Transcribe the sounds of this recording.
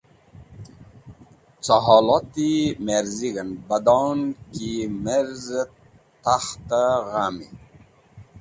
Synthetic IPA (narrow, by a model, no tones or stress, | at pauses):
t͡saɦɑːlɑt̪imeɾziɡənbad̪ɑnkimeɾz | t̪axt̪aɣami